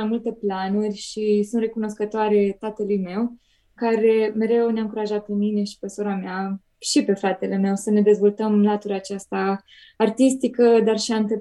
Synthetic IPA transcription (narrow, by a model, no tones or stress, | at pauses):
mult̪e̞planurʲʃisunt̪re̞kuno̞skət̪oaɾe̞t̪at̪əlujme̞w | kaɾe̞me̞ɾe̞wneamŋkuɾaʒat̪̚pe̞mine̞ʃi̥pe̞soɾamea | ʃipe̞fɾat̪e̞le̞me̞wsəne̞d̪e̞zvo̞lt̪əmlat̪uɾʲat͡ʃast̪aː | rt̪ist̪ikəd̪arʃiant̪ə